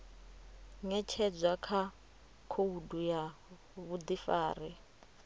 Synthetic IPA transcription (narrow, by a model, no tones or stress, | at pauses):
ŋɛt͡ʃʰɛd͡zakʰa | kʰouduja | βud̪ifaːri